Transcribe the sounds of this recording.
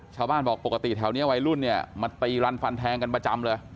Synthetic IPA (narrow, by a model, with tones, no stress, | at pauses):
t͡ɕʰaː˥˩wbaː˥˩nbɔː˨˩k̚po˨˩ka˧t̪i˨˩t̪ʰaː˨˩wni˦˥˧wa˧jlu˥˩nːi˥˩ɐma˧nt̪iː˨˩ɾa˧nfa˧nt̪ʰɛː˧ŋka˧npɾa˧t͡ɕa˧mlɤː˧j